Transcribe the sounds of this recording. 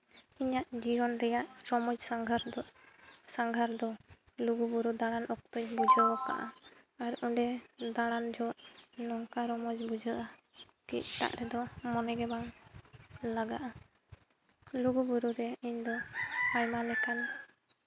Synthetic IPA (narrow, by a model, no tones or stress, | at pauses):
iɲaʔd͡ʒiɦɔnɾɛjaʔɾɔmɔd͡ʒsaŋɡʱaɾ | saŋɡʱaɾd̪ɔ | luɡubuɾud̪aɽ̃anʔɔk̚t̪ɔɲbud͡ʒʱəɔka̰ʔa | aɾuɖɛd̪aɽ̃and͡ʒɔʔnɔŋkaɾɔmɔd͡ʒbud͡ʒʱəʔa | kḭc̚t̪a̰ʔɾɛd̪ɔmɔnɛɡɛbaŋ | laɡaʔa | luɡubuɾuɾɛiɲd̪ɔpajmalɛkan